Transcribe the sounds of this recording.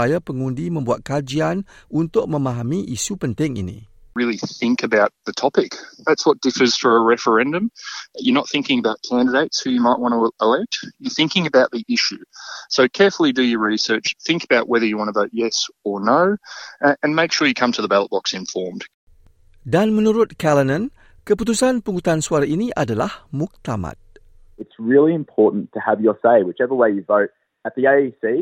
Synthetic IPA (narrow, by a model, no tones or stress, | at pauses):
ajapəŋũndimə̃mbuat̪̚kad͡ʒianunt̪ʊk̚mə̃maɦamiʔisupənt̪ɪŋḭnḭ̃ | ɹɪlˠiθɪ̃ŋkɨbaʊt̪̚ðɨtʰɑpɪkðætswʌt̚d̥ɪfə˞z̥fə˞əɹɛfə˞ɛ̃ndɨ̃mjənət̪̚θɪ̃ŋkɪ̃ŋəbaʊt̚kʰæ̃ndɨdeɪtshʉjɨmaɪʔ̚wɑ̃ñəəlɛk̚t̚jə˞θɪ̃ŋkɪ̃ŋɨbaʊt̪̚ðiʔɪʃʉsoʊkʰɛɹfl̩ˠidɨjəɹisɜ˞t͡ʃθɪ̃ŋkəbaʊʔwɛðə˞jɨwɑ̃ɾ̃əvoʊt̚jɛsə˞noʊɨ̃nmeɪkʃʊɹjɨkʰʌ̃mtʰɨðəbælət̚b̥ɑksɨ̃ɱfɔɹmd̥ | danmə̃nuɾʊt̪̚kɛlənə̃n | kəput̪usanpəŋut̪ansuaɾainiʔadalahmuk̚t̪ama̰t̪̚ | ɨtsɹɪlˠiɨ̃mpʰɔɹʔn̩tʰɨəvjə˞seɪwɨt͡ʃɛvɹiweɪjɨvoʊɾ̚ | ɨt̪̚ðieɪisi